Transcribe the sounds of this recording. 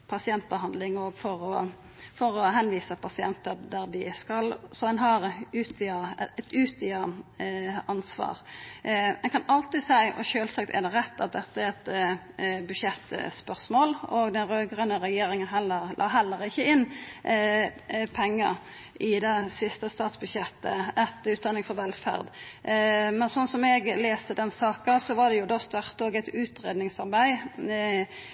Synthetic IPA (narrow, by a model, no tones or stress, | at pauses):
pʰɑsɪɛnt̪̚bəhɑnd̪lɪŋɔɡfɔɾɔ | fɔɾɔɦɛnʋiːsəpʰɑsɪɛnt̪əd̪æɾd̪ɪskɑlsɔɛnɦɑʁʉːt̪ʋiɑɛt̪ʉːt̪ɪɑ | ɑnsʋɑ̰ːʁ | ɛnkʰɑnɑlt̪ɪsæɪʔɔ̰ɕøːlsɑk̚t̪ɛ̰d̪ɛɾɛt̪ːɑt̪̚d̪ɛt̪ːəæɾɛt̪ | bʉdʂjɛt̪ːspœʁsmoːlɔɡd̪ɛnɾøːɡʁənəɾɛjeːɾɪŋənɦɛlːəʁlʔɑ̰ːɦɛlːəɾɪçːəɪn | pʰɛŋːə̰ | ʔɪd̪ɛsɪst̪əst̪ɑːt̪sbʉd̪ʃjɛt̪ːə̰ɛt̪ʉːt̪̚d̪ɑnɪŋfɔɾʋɛlfæ̰ʁd̪ | mɛnsɔnsɔmɛɡleːst̪əd̪ɛnsɑːkəsɔʋɑd̪ɛjʊd̪ɔst̪œʁt̪oːɡæt̪ʉːt̪ɾeːd̪nɪŋsɑɾbæɪ